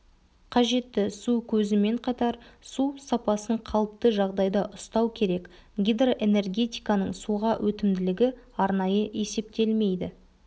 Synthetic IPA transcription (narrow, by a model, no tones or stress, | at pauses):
qʰɑʒe̞t̪ːɪsukʲʰɵzɪme̞ɴqʰɑt̪ɑɾsusɑpɑsəɴqʰɑlˠəp̚t̪əʒɑʁd̪ɑjd̪ɑʔʊst̪ɑwkʲʰe̞ɾe̞k | ɡʲijd̪roʔe̞ne̞rɡʲe̞t̪ʲijkɑnəɴsuʁɑwʔɵt̪ɪmd̪ɪlɪɡʲɪ | ɑɾnɑjəʔe̞se̞p̚t̪e̞lme̞jd̪ɪ